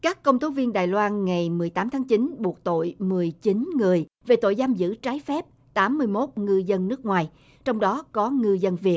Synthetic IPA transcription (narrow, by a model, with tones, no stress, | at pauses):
kaː˦˥kːə˧wŋ͡mt̪ʰo˨˦vi˧ənɗaː˨˩jlwaː˧nŋa˨˩jmɨ˨˩əjt̪aː˨˦mt̪ʰaː˨˦ŋt͡ɕi˨˦nɓu˨˩ək̚t̪o̰˧˨jmɨ˨˩əjt͡ɕi˨˦nŋɨ˨˩əjve˨˩t̪o̰˧˨jzaː˧mzɨ̰˧˥t͡ɕaː˨˦jfɛ˦˥p̚ | t̪aː˨˦mːɨ˧əjmo˦˥t̚ŋɨ˧zə˧nːɨ˦˥ək̚ŋwaː˨˩j | t͡ɕɔ˧wŋ͡mɗɔ˨˦kɔ˨˦ŋɨ˧zə˧nvi˨˩ət̚